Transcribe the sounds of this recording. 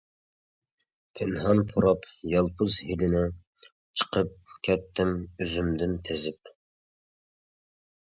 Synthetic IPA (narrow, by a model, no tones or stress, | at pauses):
pʰɪnɦɑnpʰoɾɑpjɑlˠpʰʊzhilɪnɪ | t͡ʃʰə̥qʰəp̚kʲʰɛt̪ʰːɪmyzymd̪ɪnt̪ʰezɪp̚